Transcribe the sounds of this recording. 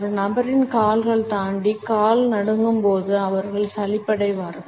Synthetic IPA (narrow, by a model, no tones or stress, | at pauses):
ɾɯnɐbɐɾɪnkaːlɣɐɭt̪aːɳɖikaːlnɐɽɯŋɡɯmpoːðɯɐʋɐɾɣɐɭsɐlɪpːɐɽɐɪʋaːɾɯ